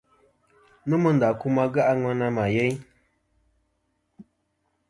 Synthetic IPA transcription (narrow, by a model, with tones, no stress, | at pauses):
nə˦mə˦n˨da˨ku˦ma˦ɡa˦ʔa˦ŋa˦na˦ma˨je˦ɲ